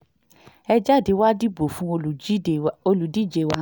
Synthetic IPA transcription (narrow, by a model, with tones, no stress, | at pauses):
ɛ˧d͡ʒa˦˨di˨˦wa˦di˦˨bo˨fũ˨˦o˧˨˦o˧lu˨di˦˨d͡ʒe˨wa˦